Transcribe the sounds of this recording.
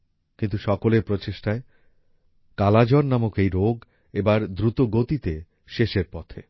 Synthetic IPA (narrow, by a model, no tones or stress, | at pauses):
kint̪uʃɔkoleɾpɾot͡ɕeʃʈae | kalad͡ʑɔnnamokejɾoɡ | ebaɾd̪ɾut̪oɡot̪it̪e | ʃeʃeɾpɔt̪ʰe